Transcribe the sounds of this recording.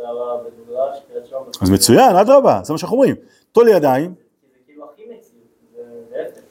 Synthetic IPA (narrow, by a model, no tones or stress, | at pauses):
azmet͡sujanad̪ʁabazemaʃeanaχnuomʁim | t̪olijad̪aim